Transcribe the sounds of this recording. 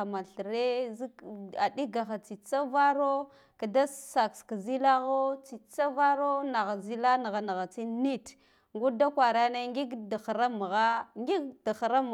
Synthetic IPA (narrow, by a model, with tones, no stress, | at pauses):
a˨ma˨ɬɾe˦zi˦a˨di˦ɡa˨xa˨t͡si˨t͡sa˦va˦ɾo˦ | ka˨da˦ssa˨kska˨zi˦la˦ɣo˦t͡si˨t͡sa˦va˦ɾo˦na˨ɣa˨zi˦la˦na˨ɣa˨na˨ɣa˨t͡si˦ni˦t | ŋɡu˦da˦kʷwa˨ɾa˦na˦ŋɡi˦ɡda˨xɾa˦m˨ɣa˦ŋɡi˦ɡda˨xɾa˦m˨